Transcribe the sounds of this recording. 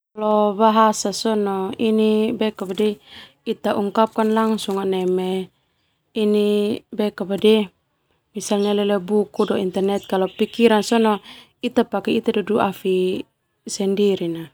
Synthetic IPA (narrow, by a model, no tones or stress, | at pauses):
lɔbaɦasasɔnɔinibɛkabadɛ | it̪aʔuŋkap̚kanlaŋsuŋanɛmɛ | inibɛkabadɛ | misalɲalɛlɛbukudɔint̪ɛrnɛt̪̚kalɔpikiɾansɔnɔ | it̪apakɛit̪adɔduafi | sɛndiɾina